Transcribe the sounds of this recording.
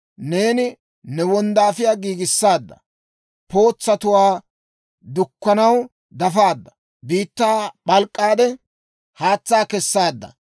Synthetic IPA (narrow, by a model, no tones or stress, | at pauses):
ne̞ːnɪ | nɛwɔnd̪aːfɪjaːɡiːɡɪsːaːd̪ːɐ̰ | po̞ːt͡sːɐt̪ʊwaː | d̪ʊkːɐnɐw | d̪ɐfaːd̪ːɐ̥ | biːt̪ːaːɓɐlkʼːaːd̪ɛ | haːt͡sːaːkɛsːaːd̪ːɐ̰